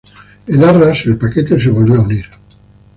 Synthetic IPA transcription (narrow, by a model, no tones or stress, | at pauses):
enaraselpaket̪eseβolβioauniɾ